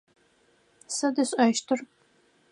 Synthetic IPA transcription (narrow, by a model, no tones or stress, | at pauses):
sɐdɨɕʼɐʃtʰɨr